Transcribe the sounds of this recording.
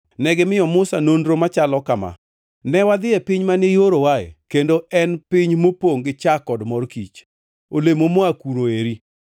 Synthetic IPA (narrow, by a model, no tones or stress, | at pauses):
nɛɡɪmɪɔmʊsanondɾomat͡ʃalɔkama̰ | nɛwad̪ɪɛpɪɲmanejoɾowaḛkendoɛnpɪɲmopoŋɡɪt͡ʃakɔdmɔrkit͡ʃ | olemomoakuɾoeɾi